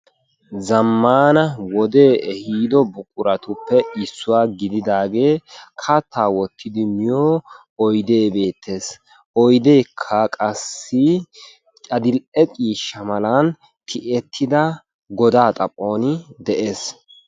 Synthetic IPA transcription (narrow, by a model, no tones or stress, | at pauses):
zɐmːaːnɐwɔd̪e̞ːʔɛhiːd̪ɔbʊkʼʊɾɐt̪ʊpːɛɪsːʊwaːɡɪd̪ɪd̪aːɡe̞ːkʰɐt̪ːaːwɔt̪ʰːɪd̪ɪmɪjoː | ɔjd̪e̞ːbe̞ːt̪ʰːe̞ːs | ɔjd̪eːkʰːɐkʼɐsːɪ | t͡ʃʼɐd̪ɪlʔɛkʼiːʃːɐmɐlan | t̪ʰɪʔɛt̪ʰːɪd̪ɐ | ɡɔd̪aːt̪ʼɐpʼːo̞ːnɪd̪ɛʔe̞ːs